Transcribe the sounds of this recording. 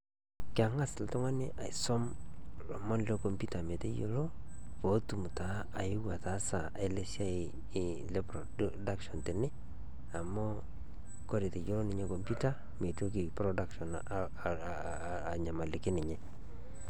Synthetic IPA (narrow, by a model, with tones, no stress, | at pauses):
kɪa˨ŋa˦sltʊ˦ŋa˦nɪ˦ʔa˨ɪsɔ˦mlɔ˨mɔ˦nle˦ko˨mpu˦ta˨me˨te˦jo˨lo˦ | po˨˦tu˨mu˨ta˨ | a˨ɪ˦wa˨ta˨˦sa˨ʔa̰˨ɪ˦le˦sja˦ɪ˨ | le˦pɾɔ | da˦kʃɔ˨ntɪ˨nɪ˦ | a˨mɔ˦ | ko˦ɾe˨te˨jo˦lo˦nɪ˨˦ɲe˦ko˨mpu˦ta˦ | me˨to˦k̬ɪ˨pɾɔda˦kʃɔ˨n˨ | ɲa˨ma˨lɪ˨kɪ˦nɪ˨ɲɛ˦